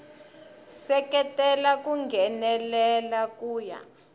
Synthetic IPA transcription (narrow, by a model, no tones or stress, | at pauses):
sɛkɛtʼɛlakuŋɡʱɛnɛlɛlakuːja̰